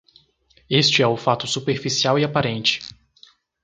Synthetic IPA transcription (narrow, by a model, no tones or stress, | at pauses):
est͡ʃɪɛʊfat̪ʊsupeɾfisiawiapaɾẽnt͡ʃɪ̥